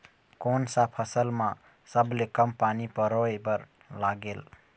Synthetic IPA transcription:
konsapʰəsəlmã | səblekəmpanipəɾoebəɾ | laɡel

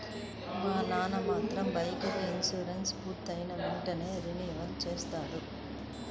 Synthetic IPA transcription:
ʋaːnaːnɐmaːnd̪ɾɐmbɐjkɐɾɐɪnsoːɾɐnspuːɾt̪ːɐjnɐʋɛɳʈɐneːɐɾɪniʋɐnt͡ʃeːst̪aːɽɯ

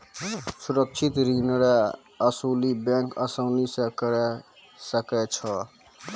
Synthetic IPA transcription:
suɾək̚t͡ʃʰit̪ɾinɾa | əsulibjãŋkəsəwnisəkɾe | səket͡ʃʰʌ

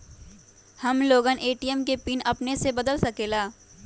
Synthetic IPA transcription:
hɐmloːɡəneːʈijəmkepiːnɐpnesebɐd̪əlsɐkeːlaː

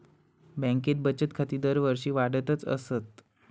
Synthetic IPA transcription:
bə̃ŋket̪̚bət͡ɕət̪kʰat̪iːd̪əɾʋəɾɕiːʋaɽət̪ət͡sə̰sət̪

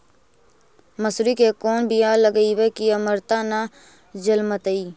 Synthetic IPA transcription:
məsɾikekoːnbʱiaːləɡəiwekiəməɾt̪ana | d͡ʒəlmət̪əiː

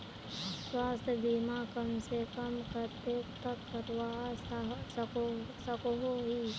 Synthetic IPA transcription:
swaːst̪ʰjəb̪ʱimaːkəmsekəmkɐɾt̪eːkt̪əkːɐɾʋa | osəkoɦoɦiː

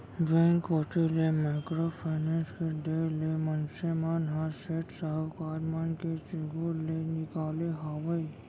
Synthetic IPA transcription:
d͡ʒeŋkoːʈelemaːkɾopʰaɪnẽːnskeɖeːlemənsemanɦaseːʈsəɦəwkaːɾmanket͡ʃɪɡuːɾlenɪkaːleɦaːʋəi

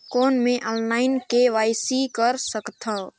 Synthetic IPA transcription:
kɔːnmẽʔɔːnlaːɪnkeʋaːɪsikəɾsəkt̪ʰa

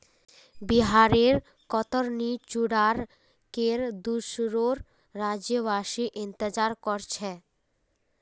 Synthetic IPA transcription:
biɦaɾeɾ | kɔt̪oɾnit͡ɕuɽaɾ | keɾd̪uʃɾoɾː | ad͡ʑeβaʃiʔint̪ed͡ʑaɾkɔɾt͡ɕʰe

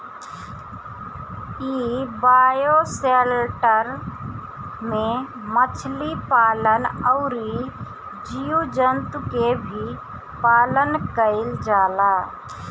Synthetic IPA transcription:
iːbaːjoseːlʈəɾ | mẽ | mət͡ʃʰlipaːlənəʊɾi | d͡ʒijud͡ʒənt̪ukebʱi | paːlənkəɪld͡ʒaːlaː

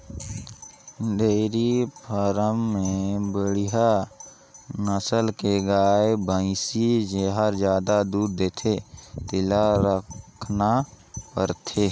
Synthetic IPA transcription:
d̪eːɾipʰəɾəmːẽbəɽiɦa | nəsəlkeɡaːebə̃ɪ̃sid͡ʒeɦaɾd͡ʒjaːd̪ad̪uːɾd̪eːt̪ʰet̪ɪlaɾəkʰna | pə̰ɾt̪ʰeː

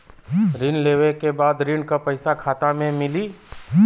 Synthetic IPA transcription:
ɾɪnleːʋekebaːd̪ɾiɳkapɐɪsakʰaːt̪amẽmɪliː

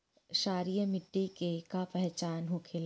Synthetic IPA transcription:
ʃaːɾijəmɪʈːikekapɛɦt͡ʃaːnɦokʰel

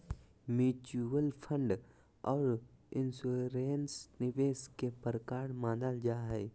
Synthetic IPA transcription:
mjuːt͡ʃuəlpʰə̃ɳɖ | ɔːɾɪnsuɾeːnsnɪʋeːskepəɾkaːɾmaːnəld͡ʒaːɦɛː

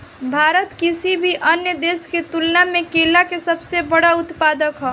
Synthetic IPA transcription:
bʱaːɾət̪kɪsibʱiʔənjəd̪eːsket̪ʊlnamẽkeːlakesəbsebəɽaʊt̪paːd̪əkɦɔ

